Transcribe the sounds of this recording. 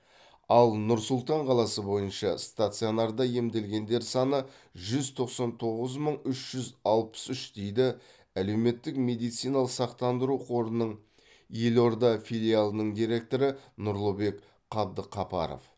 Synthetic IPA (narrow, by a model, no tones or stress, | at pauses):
ɑlˠnʊɾsʊlˠt̪ɑɴqʰɑlˠɑsəbo̞jənʃɑst̪at̪sɨjo̞nɑrd̪ɑje̞md̪e̞lɡʲe̞nd̪e̞ɾsɑnə | ʒʏzt̪ʰo̞qsɑnt̪ʰo̞ʁəzməɴʏʃʒ̥ʏzɑlˠpə̥sʏʃd̪̥e̞jd̪ɪ | æle̞wme̞t̪ːɪkme̞d̪ijt̪sijnɑlˠəsɑqt̪ɑnd̪əɾuqʰo̞ɾənəɴ | je̞lo̞ɾd̪ɑfʲilʲijalˠənəɴd̪ijɾe̞k̚t̪o̞ɾənʊɾlˠobe̞k | qʰɑbd̪əqʰɑpɑ̰ɾo̰f